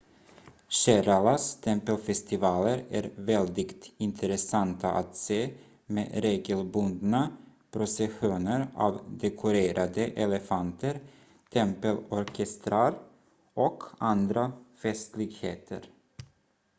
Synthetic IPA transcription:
ɕæɾalast̪ʰɛmpəlfɛst̪ɪvɑːləɾæ̰ɾvɛld̪ɪɡt̪ɪnt̪ʰəɾɛsant̪ʰaʔa̰t̪seː | mḛːɾeːɡəlbɵnd̪napʰɾʊsɛɧuːnəɾa̰ːvd̪ɛkʰʊɾeːɾʔad̪əʔɛlɛfant̪ʰəɾ | t̪ʰɛmpəlɔɾkʰɛst̪ɾaɾ | ʔɔkʰand̪ɾafɛst̪lɪɡheːt̪ʰə̰ɾ

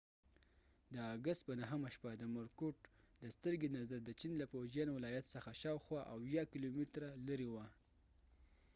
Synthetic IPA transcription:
d̪əaɡast̪̚pənaɦəmaʃpad̪əmʊɾkoʈ | d̪əst̪əɾɡenazaɾd̪ət͡ʃinlapoʒjanwɪlɑjat̪səxaʃɑwxwɑʔawjɑkilomɪt̪ɾalaɾewa

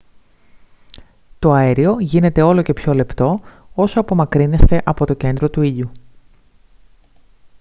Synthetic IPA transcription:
t̪o̞ɐeɾio̞ʝine̞t̪e̞o̞lo̞ce̞pço̞le̞pt̪o̞o̞soɐpo̞mɐkɾine̞st̪e̞ʔɐpo̞t̪o̞ce̞nd̪ɾo̞t̪uiʎu

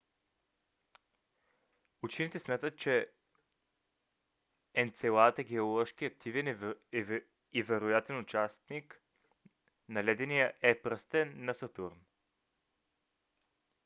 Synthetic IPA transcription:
ʊt͡ʃinit̪ɛsmʲjat̪ət̪̚t͡ʃɛ | ɛnt̪sɛlˠat̪əɡɛolˠɔʃkiɐk̚t̪ʰivɛn | ivɛɾʊjat̪ɛnʊt͡ʃast̪nik | nɐlɛd̪ɛnijəʔɛpɾəst̪ɛnːɐsɐt̪uɾn

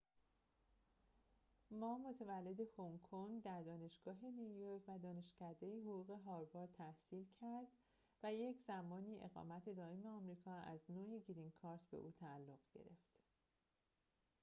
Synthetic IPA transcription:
mɒːmo̞t̪ʰevælːe̞d̪e̞hoŋkʰoŋɡd̪æɾd̪ɒːne̞ʃɡ̥ɒːɦe̞niujoɾcʰvæd̪ɒːne̞ʃcʰæd̪e̞jiɦoɣuːɣe̞ɦɒːɾbɒːɾt̪ʰæhsiːlcʰæɾd̪ | væje̞cʰz̥æmɒːniːʔe̞ɣɒ̰ːmæt̪ʰe̞d̪ɒːe̞me̞ɒmɾiːkʰɒːæznoːjeɟiɾiŋkʰɒːɾt̪ʰbe̞̰ʔuːt̪ʰæːlːoɣɟḛɾe̞ft̪

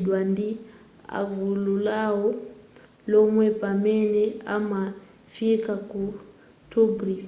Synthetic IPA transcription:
dwandi | a̰ɡululawɔ | lɔmwɛpamɛnɛama | fikaku | tubɾi

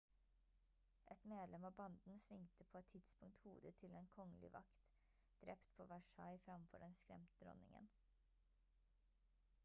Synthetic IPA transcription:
ʔɛt̪meːd̪lɛmɑːbɑnd̪n̩sʋɪŋt̪əpʰoːɛt̪t̪ʰːɪd̪spʊŋt̪hṵːd̪ət̪ʰɪlɛːnkʰɔŋəlɪ̰ʋɑ̰kt̪ | d̪̥ɾɛpt̪pʰoːʋæʃɑɪfɾɑmfɔ̰ɖɛnskɾɛ̰mt̪əd̪ɾɔ̰nɪŋə̰n

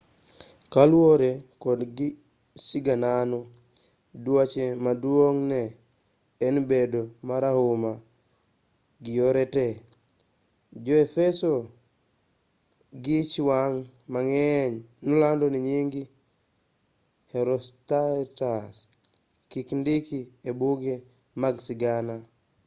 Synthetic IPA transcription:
kalwoɾekodɡi | siɡananu | duwat͡ʃemaduoŋneː | nbedomaɾahuma | ɡijoɾete | d͡ʒoefeso | ɡit͡ʃiwaŋ | maŋɛɲnulandoniɲiŋɡi | heɾostatas | kikndikiebuɡe | maɡsiɡana

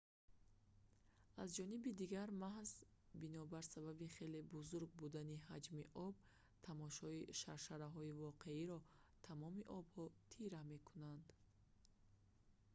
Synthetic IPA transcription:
azd͡ʒɔnibid̪iɡaɾmahzbinɔbaɾsababiχe̞le̞buzuɾɡ̚bud̪aniɦad͡ʒmiʔɔb̚ | t̪ʰamɔʃɔiʃaɾʃaɾaɦɔivɔqʰe̞iɾɔt̪ʰamɔmiʔɔbhɔt̪ʰiɾame̞kʰunand̪

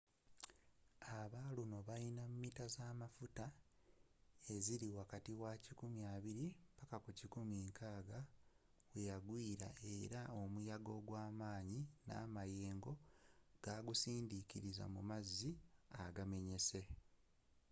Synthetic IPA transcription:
aβaluno̞βajinamumitazaːmafuta | e̞ziɾiwakatiwacikumjaːβiɾimpakakucikumiːŋkʰaːɡa | wejaɡwiːɾa̰ʔe̞ɾao̞mujaɡo̞ɡwaːmaːɲina̰ːmajeːŋɡo̞ɡ̥aɡusiːndiciɾiza̰mumazːiaɡame̞ɲe̞se̞

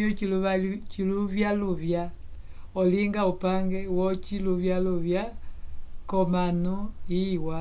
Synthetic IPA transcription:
ɔiut͡ʃiluvjaluvja | ɔliŋɡaupaŋɡɛwɔt͡ʃiluvjaluvja | kɔmanuiwa

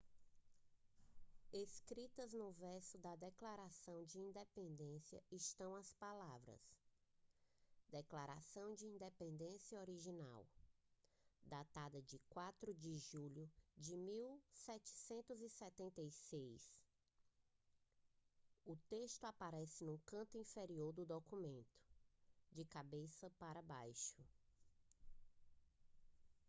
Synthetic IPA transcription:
eskɾit̪ɐznʊvɛɾsʊd̪ɐd̪ɛklaɾasɐ̃w̃d͡ʒɪĩnd̪epẽnd̪ẽsiɐ̰ɪʃt̪ɐ̃w̃ɐspalavɾɐ̰s | d̪ɛklaɾasɐ̃w̃d͡ʒɪĩnd̪epẽnd̪ẽsjɐoɾiʒina̰w | d̪at̪ad̪ɐd͡ʒɪkwat̪ɾʊd͡ʒɪʒuʎʊd͡ʒɪmiwsɛt͡ʃɪ̥sẽnt̪ʊzisɛt̪ẽnt̪ejsejs | ʊt̪eʃt̪ʊapaɾɛsɪnũkɐ̃nt̪ʊĩfeɾioɾd̪ʊd̪okumẽnt̪ʊ̥d͡ʒɪkabesɐpaɾɐbajʃʊ

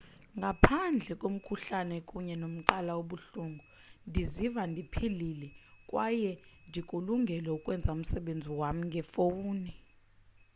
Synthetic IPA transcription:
ŋɡʱapʰand͡ɮʱɛkʼom̩kʰuɬanɛkʼuɲɛnom̩ǃalawoɓuɬuŋɡʱu | ndʱizivandʱipʰililɛkʼwajɛndʱikʼuluŋɡʱɛlɛukʼwɛnd͡zʱaum̩sɛɓend͡zʱiwamiŋɡʱɛfouːni

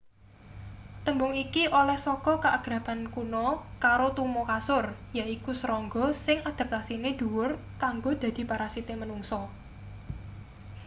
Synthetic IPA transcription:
t̪əmbʊŋikiʔolɛhsɔkɔkəʔaɡ̥ɾapankunɔkaɾot̪umokasʊrjaʔikusəɾɔŋɡɔsɪŋad̪̥a̤p̚t̪asined̪̥uwʊr | kaŋɡod̪̥ä̤d̪̥i̤paɾasit̪emənuŋsɔ

